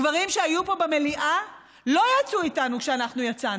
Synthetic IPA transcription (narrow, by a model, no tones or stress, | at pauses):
vaʁimʃeajupo̞bemeliʔa | lo̞jat͡suitanukʃeanaχnujat͡sa